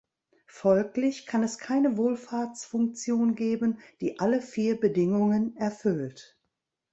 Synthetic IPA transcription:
fɔlklɪçkʰanɛskʰaɪnəvoːlfaɐt͡sfʊŋk̚t͡sjoːnɡeːbənd̥iːʔaləfiːɐbədɪŋʊŋənɛɐfʏlt

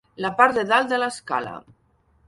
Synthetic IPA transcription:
lapaɾd̪eðald̪əlaska̰la̰

